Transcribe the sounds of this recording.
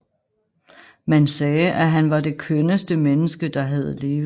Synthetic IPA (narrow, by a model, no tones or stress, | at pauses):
mænsɛːʔæɦænʋɑ̈d̥e̝kʰønəsd̥əmenəsɡ̥əd̥ɑ̈ɦæð̞̩ˠle̝ːʋ